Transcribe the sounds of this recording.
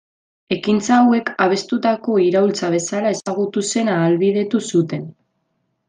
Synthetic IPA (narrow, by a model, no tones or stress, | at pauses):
e̞kint͡saːwe̞kaβ̞e̞st̪ut̪ako̞iɾault͡saβ̞e̞salae̞saɣut̪use̞naːlβið̞e̞t̪usut̪e̞n